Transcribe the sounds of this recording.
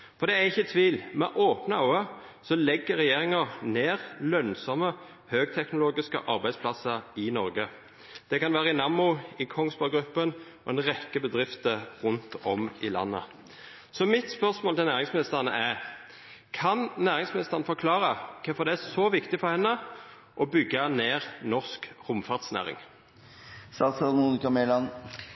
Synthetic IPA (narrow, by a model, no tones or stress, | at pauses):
fɔʁd̪ɛæɪçːət̪ʰʋiːlmɛ̰ʔoːpnəhɑʊə | sɔlɛɡːəɾɛjeːʁɪŋəneːʁlœnsɔmə | høːɡ̚t̪ʰɛknʊloːɡɪskə̰ʔɑɾbæɪspʰlɑsəɾɪnɔɾɡə | d̪̥ɛkɑnʋæːɾəɪnɑmːʊɪkʰɔŋsbɑɡɾʉpːən | ɔ̰ɛnʁɛkːəbəd̪ʁɪft̪əʁʉnt̪ɔmɪlɑ̰nːə̰ | sɔmɪt̪spœʁsmoːlt̪ɪlæːʁɪŋsmɪnɪst̪əʁnə̰ʔæ | kʰɑnnæːʁɪŋsmɪnɪst̪əʁnəfɔkʰlɑːʁəkʰɛfɔd̪ɛæsoːʋɪkt̪ɪfɔʁhɛnːə | ʔɔbʏɡːɑneːʁnɔʁskʁʊmfɑʁd̪snæ̰ːʁɪ̰ŋ | sɑt̪sɑmuːnɪkɑmelɑn